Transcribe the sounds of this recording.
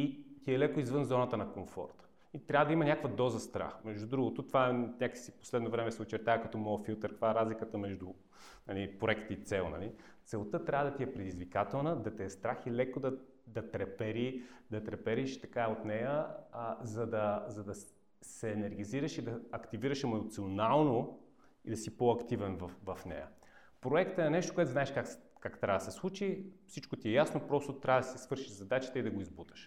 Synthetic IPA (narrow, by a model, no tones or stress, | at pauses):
it̪iɛlɛkoizvɤnzɔnət̪ənɐkoɱfɔ̰ɾt̪ | it̪ɾʲabvəd̪ɐimɐnʲakvəd̪ɔzəst̪ɾa̰xmɛʒd̪ud̪ɾuɡot̪ot̪ovaɛnʲaksipo̥slɛd̪novɾɛmɛsɛot͡ʃɛɾt̪aəkɐt̪ɔmɔfilˠt̪əɾkt̪vaɛɾazlikət̪əmɛʒd̪u | nɐlipɾoɛkt̪iit̪sɛlˠnɐ̰li | t̪sɛlˠt̪ɤt̪ɾʲavəd̪ɐt̪iɛpɾɛd̪izvikat̪ɛlˠnəd̪ɐt̪iɛst̪ɾaxilɛkod̪ɐ | d̪ɐt̪ɾɛpɛɾid̪ɐt̪ɾɛpɛɾiʃt̪ɐkaot̪nɛjə | zɐd̪ɐzɐd̪ɐ | sɛːnɛɾɡ̟iziɾɐʃid̪ɐɐkt̪iviɾəʃɛmoot̪sionalˠno | id̪ɐsipoɐkt̪ivɛnvɐfvɐfnɛ̰jə̰ | pɾoɛkt̪əɛnɛʃt̪o̥koɛt̪znaɛʃkak | kakt̪ɾavd̪ɐsɛslˠut͡ʃifsit͡ʃkot̪iɛjasnopɾɔst̪ot̪ɾʲavəd̪ɐsisvɤɾʃiʒzɐd̪at͡ʃi̥t̪ɛid̪ɐɡoizbut̪ə̥ʃ